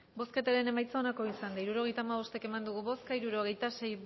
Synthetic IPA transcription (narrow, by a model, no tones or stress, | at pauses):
bo̞ske̞t̪aɾe̞ne̞majt͡saonako̞isand̪aiɾuɾo̞ɣ̞e̞jt̪aːmaβ̞o̞st̪e̞ke̞mand̪uɣ̞uβo̞skaiɾuɾo̞ɣe̞jt̪ase̞j